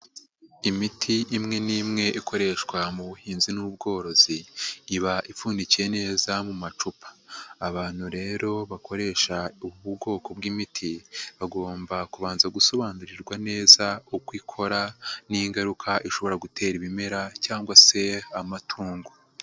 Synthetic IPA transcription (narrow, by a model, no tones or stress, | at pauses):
imitʰiʔimŋe̞niːmŋe̞ʔikʰo̞ɾe̞ʃkwamuβuhiːnzinubɡo̞ːɾo̞ziːβaʔifuːndicije̞ne̞ːzamumat͡ʃupʰḁːβaːn̥huɾe̞ːɾo̞βakʰo̞ɾe̞ʃauβuɡo̞ːko̞bɡimitʰiβaɡo̞ːmbakuβaːnzaɡuso̞βaːnduɾiɾɡwane̞ːzaukwiːkʰo̞ɾaniiŋɡaɾukʰaʔiʃo̞βo̞ɾaɡutʰe̞ːɾiβime̞ɾacaːŋɡwase̞amatʰuːŋɡo